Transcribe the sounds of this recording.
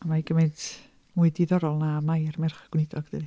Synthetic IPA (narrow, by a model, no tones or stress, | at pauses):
amajɡəmend | muɨdiðɔɾɔlˠnamajrmɪrχɡ̥wnɪdɔɡ̥ðəð